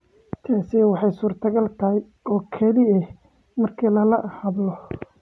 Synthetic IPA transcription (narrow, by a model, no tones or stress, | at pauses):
t̪ʰaːsiwɑħɑjsuːrt̪ʰɐɡɐlt̪ʰɐhɛj | ɔːkʰɐlɪɛh | mɐrkʰiːlɐlɐhɐðlɔ